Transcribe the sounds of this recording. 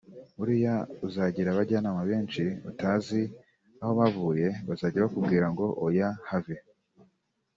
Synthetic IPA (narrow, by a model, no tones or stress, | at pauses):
uɾijauzaɟiɾaβaɟanamaβeːnt͡ʃiṵtaːzi | aho̞βavuːje̞βazaːɟiɾβakubɡiːɾaŋɡo̞ʔojahave